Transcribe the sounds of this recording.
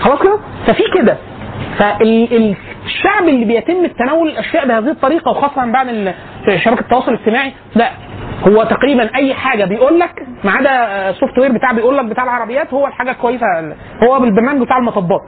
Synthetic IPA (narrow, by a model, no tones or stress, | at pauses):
xɑlɑːsˤked̪æfæfiːked̪æ | fæʔelelʃːaʕbelːiːbejet̪emːt̪ːænæːwolelʔæʃjæːʔbehæːziːhet̪ˤːɑɾiːqɑwexɑːsˤːɑhæmbaʕd̪el | ʃːæbækæ̥t̪ˤːɑwɑːsˤoleɡ̚t̪emaːʕi | d̪æ | howːæt̪æqɾiːbænʔæjːħaːɡæbejʔuːlːækmaʕaːd̪æsoft̪weːɾbet̪aːʕbejʔuːlːæk̚bet̪aːʕelʕɑɾˤɑbejːæːt̪howːælħaːɡælkowæjːesæ | howːæbelbeɾnæːmeɡbet̪aːʕelmɑt̪ˤɑbːɑːt̪̚ˤ